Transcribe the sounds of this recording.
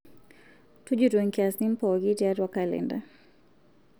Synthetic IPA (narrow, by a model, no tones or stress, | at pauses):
tud͡ʒuɾuɛŋkasnim̩pɔɣitajaɾiwakalɛ̰nda̰